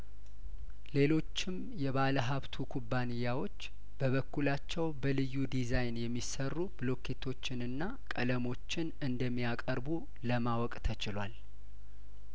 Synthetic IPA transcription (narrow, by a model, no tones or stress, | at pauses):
le̞lo̞t͡ʃːɪm | jɛβaləɦaβt̪ʰukʰubːanɨjːawo̞t͡ʃː | b̥əβəkːulat͡ʃːɛwbəlɨjːud̪izajnjɛmːisərːubɨlo̞kʰet̪ʰo̞t͡ʃːɪnɨnːa | kʼələmo̞t͡ʃːɪnɨnd̪əmːijakʼəɾbu | ləmawɔkʼt̪ʰət͡ʃɪlwal